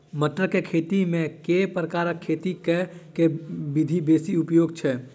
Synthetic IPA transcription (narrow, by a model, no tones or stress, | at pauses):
məʈ̪ɾəkekʰeːt̪imẽkepɾəkaːɾəkʰːeːt̪ikekebɪd̪ʱibeːsiʊpjoːɡt͡ʃʰɛ